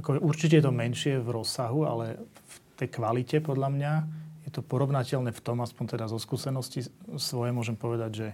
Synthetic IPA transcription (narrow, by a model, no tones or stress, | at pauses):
akɔɛʔuɾt͡ʃicɛjɛt̪ɔmɛnʃɪɛvɾɔsːaɦua̰lɛft̪ɛjkʋalicɛpɔd̪ʎamɲajɛt̪ɔpɔɾɔʋnacɛʎnɛft̪ɔmaspɔnt̪ɛd̪azɔskuːsɛnɔscisʋɔjɛmʊɔʒɛmpɔʋɛd̪aɟʒɛ